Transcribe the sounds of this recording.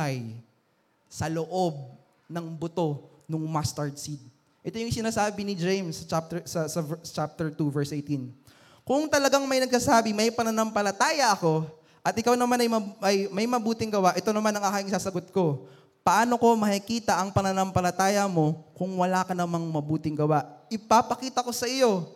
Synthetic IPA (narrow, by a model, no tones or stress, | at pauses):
aj | sɐloʔo̞b̚ | nɐŋbot̪o̞ | nʊŋmast̪ɐɹd̪sid̪̚ | ʔɛt̪o̞jʊŋsɪnaːsaːbɪnɪd͡ʒɛjmsɐt͡ʃap̚t̪ɛsɐsɐt͡ʃap̚t̪ɛɹt̪uvɛɹsʔejt̪in | kʊŋt̪ɐlɐɡaŋmɐjnɐɡ̚sasaːbɪmɐjpɐnɐnɐmpɐlɐt̪aːjɐʔɐko̞ | ʔɐt̪ʔɪkawnɐmanɐjmɐɐjmɐjmɐbuːt̪ɪŋɡɐwaʔɛt̪o̞nɐmanɐŋaːkɪŋɪsaːsɐɡot̪̚ko̞ | pɐʔaːno̞ko̞mɐhikiːt̪ɐʔɐŋpɐnɐnɐmpɐlɐt̪aːjɐmo̞kʊŋwɐlaːkɐnɐmaŋmɐbuːt̪ɪŋɡɐwaʔʔɪpapɐkiːt̪ɐko̞sɐɪjo̞